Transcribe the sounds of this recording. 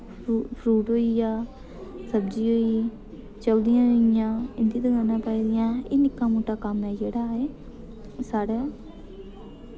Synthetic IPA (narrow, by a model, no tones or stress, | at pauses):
pʰɾuːʈɦoːiːjaː | səbd͡ʒiːɦoːiː | t͡ʃəld̪ɪjãːoːɪjãːɪnd̪iːd̪əɡãːnãːpəid̪ɪjãːeːnɪkːãːmoːʈːaːkəmnaːd͡ʒeːɽaːeː | saːɽaː